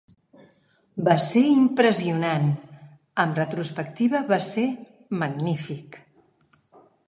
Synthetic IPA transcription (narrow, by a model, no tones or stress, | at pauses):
baseimpɾəziunan | əmrət̪ɾuspəkt̪iβəβase | məɡnifik